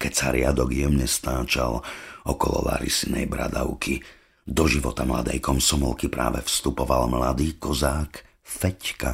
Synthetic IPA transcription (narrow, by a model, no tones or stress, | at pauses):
kɛcsaɾɪad̪ɔɡjɛmɲɛst̪aːt͡ʃalɔkɔlɔ̰ʋa̰ɾisinɛjbɾad̪aʊkʰi | d̪ɔʒiʋɔt̪amlad̪ɛjkɔmsɔmɔlkipɾʔaːʋɛfst̪upɔʋalmlad̪iːkɔzaːk | fɛcka